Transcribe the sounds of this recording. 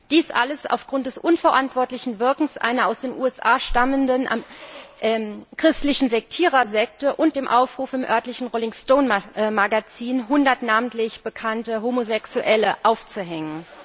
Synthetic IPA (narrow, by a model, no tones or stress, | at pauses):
d̥iːsʔa̰ləsa̰ʊfɡ̥ʁʊnt̚d̥ɛsʔʊnfɛɐʔantv̥ɔɐtlɪçn̩vɪɐkŋ̩sʔa̰ɪnɐaʊsd̥eːnʔuːɛsʔaːʃtaməndən̰ | ʔɛkʁ̥ɪstlɪçn̩zɛk̚tʰiːʁɐzɛk̚təʔʊnt̚d̥eːmʔaʊfʁ̥uːfɪmʔœɐtlɪçn̩ʁolɪŋstoːnmaɡat͡siːnɦʊndɐtnaːmn̩tlɪçb̥əkʰantəɦoːmozɛksuʔɛləʔaʊft͡suɦɛŋən